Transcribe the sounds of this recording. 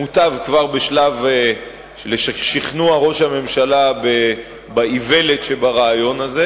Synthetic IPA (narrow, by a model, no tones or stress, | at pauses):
ut̪avkvaʁbe̞ʃlave | ʃeleʃaχʃiχnuaʁo̞ʃhame̞mʃalabe | baive̞le̞tʃebaʁaːjo̞naze